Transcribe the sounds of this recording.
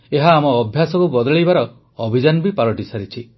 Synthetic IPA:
eɦaːmɔːbʱjasɔkubɔd̪ɔɭibaɾɔ | ɔbʱid͡ʒanɔbipaɾɔʈisaɾit͡ʃʰi

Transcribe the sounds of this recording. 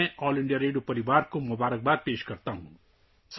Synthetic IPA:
ẽɔːliɳɖijaɾeɖjopɐɾibaːɾkomʊbaːɾək̚baːɾ̚peːʃkʌɾt̪aɦũ | s

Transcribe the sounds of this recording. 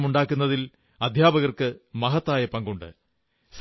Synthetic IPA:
muɳɖaːkːunːɐðil | ɐd̪ʱjaːbɐɣɐrkɨmɐɦɐt̪ːaːjɐpɐŋɡuɳɖɨ̰ | s

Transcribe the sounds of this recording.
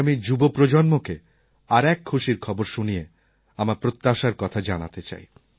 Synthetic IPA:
mid͡ʑubopɾod͡ʑonmoke | aɾɛkʰːuʃiɾkʰɔboɾʃunije | amapɾot̪ːaʃaɾkɔt̪ʰad͡ʑana̰t̪et͡ɕa̰j

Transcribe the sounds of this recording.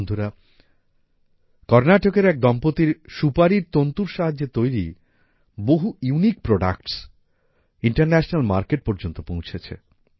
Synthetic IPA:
nd̪ʱuɾa | kɔɾnaʈokeɾɛk̚d̪ɔmpot̪iɾʃupaɾiɾt̪ont̪uɾʃaɦad͡ʑːet̪ojɾi | boɦujunik̚pɾoɖa̰kʈs | iɳʈaɾnɛʃonalmaɾkeʈ̚pɔɾd͡ʑont̪opõw̃t͡ɕʰet͡ɕʰḛ

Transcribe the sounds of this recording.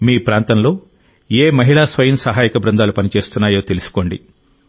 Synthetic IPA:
miːpɾaːnt̪ɐnlo̞ː | eːmɐɦiɭaːsʋɐjɐmsɐɦaːjikɐbɾɐnd̪aːlupɐnit͡ʃe̞ːst̪unːaːjo̞ːt̪e̞lusu̥ko̞ːɳɖḭ

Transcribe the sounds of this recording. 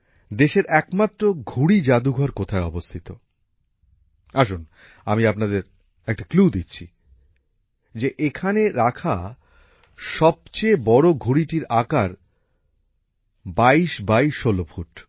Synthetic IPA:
d̪eʃeɾʔɛkmat̪ːɾoɡʱuɽid͡ʑad̪uɡʱɔɾkot̪ʰaeɔbost̪ʰit̪o | aʃun | amiapnad̪eɾ | ɛk̚ʈaklud̪itːɕʰḭ | d͡ʑeʔekʰaneɾakʰa | ʃɔb̚t͡ɕebɔɾoɡʱuɽiʈiɾakaɾ | baiʃbaiʃːolopʰuʈ

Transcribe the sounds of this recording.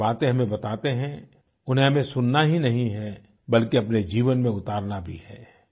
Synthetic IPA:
aːt̪ẽɦɐmẽbɐt̪aːt̪eɦɛ̃ | ʊnɦẽɦɐmẽsʊnːaɦinɐɦĩɦɛ | bɐlkeɐpned͡ʒiːʋənmẽʊt̪aːɾnabʱihɛː

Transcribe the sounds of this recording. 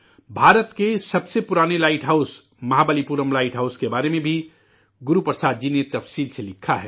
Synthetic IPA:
bʱaːɾət̪kesɐbsepʊɾaːnelaːɪʈɦaʊs | mɐɦabəlipuːɾəmlaːɪʈɦaʊskebaːɾemẽbʱi | ɡʊɾupəɾsaːd̪̚d͡ʒinet̪ɐfsiːlselɪkʰːaɦɛː

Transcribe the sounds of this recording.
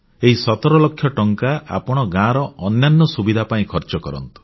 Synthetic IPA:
eɦisɔt̪ɔɾɔlɔkʰːjɔʈɔŋkaa̰pɔɽ̃ɔɡãɾɔʔɔnjanːɔsubid̪ʱapaĩkʰɔɾt͡ʃɔkɔɾɔ̰nt̪u̥

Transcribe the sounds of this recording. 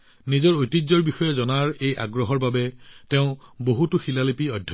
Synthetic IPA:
nizɔɹojtizɔɹbixɔjɛzɔnaɹeja̰ɡɹɔɦɔɹbabɛteʊ̃boɦutʊxilalipiɔdʱj

